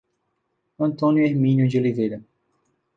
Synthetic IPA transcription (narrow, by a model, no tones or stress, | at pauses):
ɐ̃nt̪õnjʊeɾmĩnjʊd͡ʒolivejɾɐ